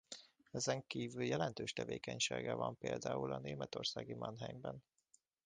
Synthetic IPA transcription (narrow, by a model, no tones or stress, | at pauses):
ɛzɛŋkiːvyljɛlɛnt̪øːʃt̪ɛveːkɛɲʃḛːɡɛvɒmpeːld̪aːulɒneːmɛt̪o̞rsaːɡimɒnɦɛɲbɛn